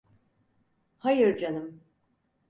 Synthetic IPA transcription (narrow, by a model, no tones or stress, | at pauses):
hajɯɾd͡ʒanɯm